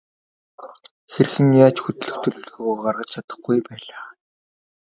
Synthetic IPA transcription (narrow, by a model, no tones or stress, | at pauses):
xerxɘ̆ŋjaːt͡ɕxut̪̆ɮɵ̆xt̪ʰɵ̆ɮɵɮɣojɢarʁə̆t͡ɕt͡ɕʰat̪ə̆χɡujpæːɮaː